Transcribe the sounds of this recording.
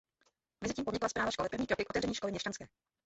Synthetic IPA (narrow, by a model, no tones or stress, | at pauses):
mɛzɪciːmpdɲɪklaspɾaːvaʃko̞lɛpɾrvɲiːkɾokɪkʔot̪ɛvrɛɲiːʃko̞lɪɲɛʃcanskɛː